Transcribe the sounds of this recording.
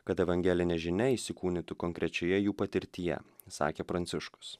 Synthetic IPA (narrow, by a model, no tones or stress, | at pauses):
kɐt̪ɛʋɐŋʲɡʲɛlʲɪnʲɛʒʲɪnʲɛisʲɪkuːnʲɪt̪ʊkoŋʲkɾʲɛt͡ʃʲɛjɛjuːpɐt̪ʲɪɾʲt̪ʲijɛ̰ | sɑ̰ːkʲeːpɾɐnʲt̪sʲɪʃkʊ̥ss